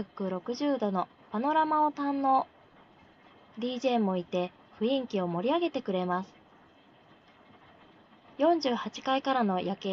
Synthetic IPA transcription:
akːɯ̟ɾo̞kɯ̟ʑɨːd̪o̞no̞ | pano̞ɾamaot̪ãnːo̞ | d̪ʲiːʑe̞ːmo̞it̪e̞ | ɸɯ̟ĩŋkʲio̞mo̞ɾʲiaɡe̞t̪e̞kɯ̟ɾe̞masɨ̥ | jõ̞ɲ̟d͡ʑɨːhat͡ɕi̥kaikaɾano̞jʔake

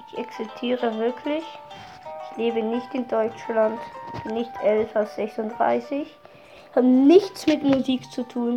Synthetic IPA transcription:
ɪçʔaksɪstʰiːʁəvɪɐkʰlɪç | ʔɪçleːbənɪçtɪndɔʏt͡ʃlantb̥ɪnːɪçtʰʔɛlfaʊfz̥ɛksʊntd̥ʁa̰ɪsɪç | haːbənɪçt͡smɪtmuziːkt͡sutʰuːn

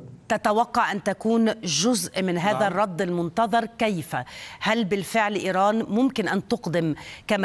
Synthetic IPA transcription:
t̪at̪awɑqːɑʕʔant̪akuːnʒʊzʔmɪnɦaːðarˤːɑd̪ˤːɪlmʊnt̪ɑðˤɑɾˤkajfahalbɪlfɪʕlʔiːɾɑːnmʊmkɪnʔant̪ʊqd̪ɪmkam

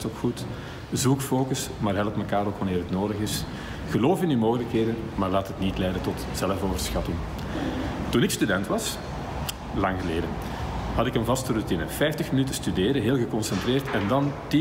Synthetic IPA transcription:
tokxut | zukfoːkəsmaːrɦɛləpməkaːɾokʋɑneːrɦətnoːdəɣɪs | ɣəloːfɪnyːmoːɣələkɦeːdənmaːrlaːtɦətnitlɛjdəntɔtz̥ɛləfoːvərsxɑtɪŋ | tunɪkstydɛntʋɑs | lɑŋɣəleːdən | hɑtɪkənvɑstəɾutinəfɛjftəxmənytəstydeːɾəɦeːlˠɣəkɔnsɛntreːrtɛndɑnti

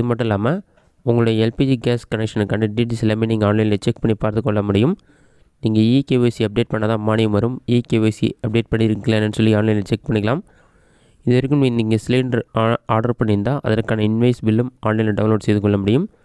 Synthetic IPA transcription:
ɪðɯmɐʈːʊ̃ɪlːaːmɐ | ʊŋɡɐɭʊɽɐjɐɛlpiːd͡ʒiɡeːskɐnɛkʂɐnɯkːɐːɳɖɯɖiʈ̬islɐːmeniːŋɡɐaːɳlɐɪnɪlɐt͡ʃɛkpɐɳːipaːɾt̪ɯkːɔɭːɐmʊɽɪjɯm | niːŋɡɐikeːʋeːsiɐp̚ɖeːʈ̚pɐɳːɐðãːmaːɳɪjɯmʋɐɾɯmiːkeːʋesḭɐp̚ɖeːʈ̚pɐɳːɪɾɯkːɪleːnɛnːɖɯsɔlːiaːɳlɐɪnlɐt͡ʃɛk̚pɐɳːɪkːɐlaːm | ɪðɯʋɐɾɯkːɯmiːniːŋɡɐsɪliːɳɖɐɾaːɾɽɐɾpɐɳːɪɾɯnd̪ãːʔɐ̰ðɐɾkaːnɐɪnʋɐɪsbɪlːɯmaːnlɛɪnlɐɖɐʋʊ̃loːɖsɛjðɯkːɔɭːɐmʊɽɪjɯm

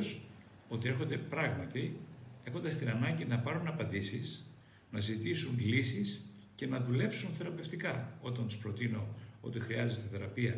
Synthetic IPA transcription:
s | o̞t̪ie̞ɾxo̞nd̪e̞pɾɐɣmɐt̪ie̞xo̞nd̪ɐst̪inɐnɐɲɟinɐpɐɾunɐpɐnd̪isis | nɐzit̪isunlisis | ce̞nɐðule̞psunθe̞ɾɐpe̞ft̪ikɐo̞t̪ɐnt̪u̥spɾo̞t̪ino̞o̞̰t̪ixɾiɐzest̪eθeɾɐpiɐ

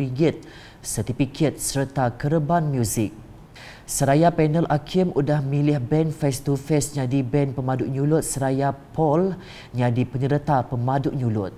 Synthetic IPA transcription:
iɡɪt̪̚ | sət̪ifikʰət̪̚səɾt̪akəɾəbanmjuzɪk̚ | səɾajapɛnəlʔakʰɪmudahmilɪhbɛnfɛst̪ufɛsɲadibɛnpəmaduʔɲulʊt̪̚səɾajapɔl | ɲadipəɲəɾət̪apəmãduʔɲulʊt̪̚

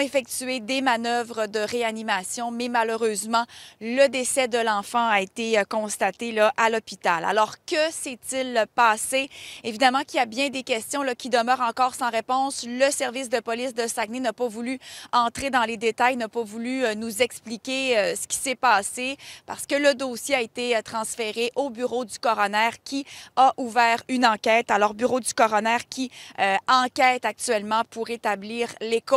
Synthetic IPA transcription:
efɛk̚t̪yed̪emanœvʁəd̪əʁeanimasjɔ̃mɛmaløʁøːzmɑ̃ləd̪esɛd̪əlɑ̃fɑ̃aet̪eøkɔ̃st̪at̪elʌʔalɔpit̪ala̰lɔʁkʲəsɛt̪ɪlpɑːseevid̪amɑ̃kiljabjɛ̃d̪ekʲɛst̪jɔ̃lʌkʲid̪əmœːʁɑ̃kɔːʁsɑ̃ʁepɔ̃sləsɛʁvɪs̬d̪əpɔlɪsd̪əsaɡnenapɔvulyɑ̃t̪χed̪ɑ̃led̪et̪ajnapɔvulynuzɛksplikʲeøsə̥kʲi̥sɛpaːsepa̰ʁ̥sə̥kələd̪oːsjeaet̪et̪χɑ̃sfeʁeʔobyʁod̪ykɔʁɔnɛːʁkʲiaʔuvɛːʁynɑ̃kʲɛːt̪alɔʁbyʁod̪ykɔʁɔnɛːʁkʲiøɑ̃kʲɛːt̪ak̚t̪yɛlmɑ̃puʁet̪abliːʁleko

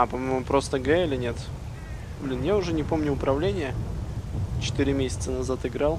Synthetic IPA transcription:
apɐmojmʊpɾo̞st̪əɡɛɪlʲɪnʲe̞t̪ | blʲinjaʊʐɛnʲɪpomnʲʊʊpɾɐvlʲenʲɪjə | t͡ɕɪ̥t̪iɾʲɪmʲesʲɪ̥t̪sənɐzat̪ɨɡɾalˠ

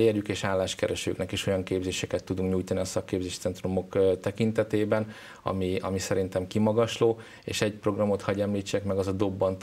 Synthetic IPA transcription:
erjykeːʃaːlːaːʃkɛɾɛʃø̰ːknɛkiʃo̞jɒŋkeːbzeːʃɛkɛt̪ːud̪uŋkɲuːjt̪ɒniɒsɒkːeːbzeːʃt̪sɛnt̪romo̞kt̪ɛkint̪ɛt̪eːbɛn | ɒ̰miɒ̰misɛɾint̪ɛmkimɒɡɒʃloː | ḛːʃɛɟpro̞ɡrɒmo̞t̪hɒɟɛmliːt͡ʃːɛkmɛɡɒzɒd̪o̞bːɒnt̪

